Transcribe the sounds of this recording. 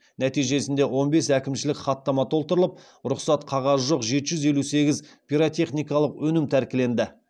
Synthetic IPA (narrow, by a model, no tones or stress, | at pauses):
næt̪ijʒe̞sɪnd̪e̞wo̞nbe̞sækʲɪmʃɪlɪkχɑt̪ːɑmɑt̪ʰo̞lˠt̪əɾəlˠəp̚ | ɾʊqsɑt̪qʰɑʁɑzʒoqʒe̞t̪ɪʒʏze̞luse̞ɡʲɪzpʰʲiɾot̪ʲe̞χnijkɑlˠəqwɵnɪmt̪ʰæɾkʲɪle̞nd̪ɪ